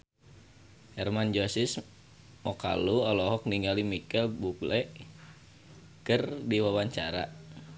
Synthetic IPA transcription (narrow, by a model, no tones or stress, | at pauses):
hɛrmand͡ʒosis | mɔka̰luɔlɔɦɔk̚niŋɡalimikɛlbuklɛʔ | kɨrdiwawaɲt͡ʃa̰ɾa̰